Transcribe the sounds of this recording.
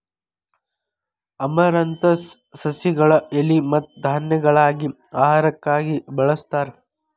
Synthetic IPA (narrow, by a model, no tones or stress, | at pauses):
ɐmɐɾɐnt̪ɐsːɐsiɡɐɭɐelimɐt̪d̪ʱaːnjɐɡɐɭaːɡi | aːɦaɾɐkːaːɡibɐɭɐst̪aːɾ